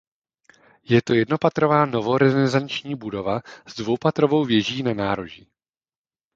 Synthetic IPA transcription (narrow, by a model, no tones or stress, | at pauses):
jɛt̪o̞jɛdno̞pat̪ɾo̞vaːno̞vo̞ɾɛzɛzant͡ʃɲiːbudo̞vaz̥dvowpat̪ɾo̞vo̞wvjɛʒiːnanaːɾoʒiː